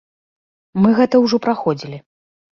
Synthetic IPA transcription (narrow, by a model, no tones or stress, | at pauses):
mɨɣɛt̪ɐwʐɔpɾaxɔd͡zʲilʲi